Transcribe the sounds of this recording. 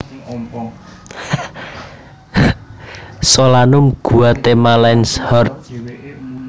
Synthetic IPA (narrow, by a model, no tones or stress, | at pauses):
solanʊmɡ̥ṳat̪emalɛnshɔrt̪̚